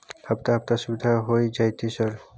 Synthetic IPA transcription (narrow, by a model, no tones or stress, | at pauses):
hapt̪aɦɐp̚t̪asubid̪ʱaɦojd͡ʒajt̪ʰisəɾ